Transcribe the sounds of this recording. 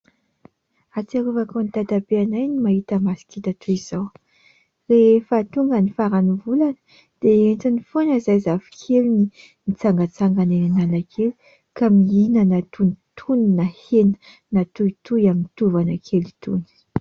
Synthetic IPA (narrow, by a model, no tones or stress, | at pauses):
at͡saɾuvakanit̪ad̪abeanajnimaɦit̪əmasi̥kit̪at̪ʰuiz̥aw | refət̪uŋɡənifaɾanivulanə̥ | d̪̥eent͡sinifonəzajzavi̥kʰelini | nit͡saŋɡat͡saŋɡaneninalakʰelu̥ | kamiinənat̪unit̪ʰuninahenə̥ | nat̪uit̪ujaminit̪uvanəkʰelit̪uni̥